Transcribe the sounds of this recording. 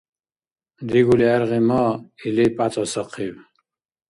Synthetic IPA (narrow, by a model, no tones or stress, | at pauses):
d̪iɡuliɛɾʁimɔilipʼat͡sʼɔsaqʰiw